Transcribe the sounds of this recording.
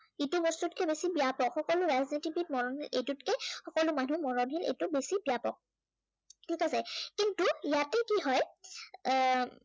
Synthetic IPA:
itubɔstutkɛbesibiapɔkxɔkɔlʊɹaznetibit̚mɔɹɔnɦilḛtutkɛxɔkɔlʊmanumɔɹɔnɦilḛtʊbesibiapɔk̚ | tʰikasɛkintujatɛkiɦɔj

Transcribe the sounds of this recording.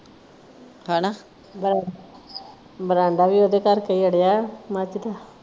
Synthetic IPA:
hãːna | bɾa | bəɾãːɳɖaːʋiːoːd̪eːkəɾkəiəɽejamat͡ʃd̪aː

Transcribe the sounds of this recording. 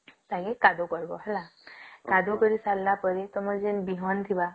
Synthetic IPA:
t̪aɡekad̪okɔɾbɔ̰ɦalakad̪okəɾisalːapəɾit̪ɔməd͡ʑenbiɦɔnt̪ʰiba

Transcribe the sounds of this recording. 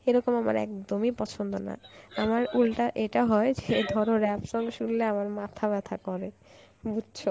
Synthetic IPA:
eɾɔkomama̰ɾɛ̰k̚d̪omipɔt͡ɕʰond̪ona̰amaɾulʈaʔeʈaɦɔed͡ʑed̪ʱɔɾoɾɛpʃɔŋɡeʃulːeamaɾmat̪ʰaβɛt̪ʰakɔɾe | budʃʰo

